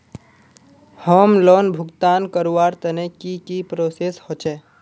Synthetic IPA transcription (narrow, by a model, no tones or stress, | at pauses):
hɔːmlɔːnbʱʊkt̪aːnkəɾuaːɾt̪ənekikipɾoːseshot͡ʃʰe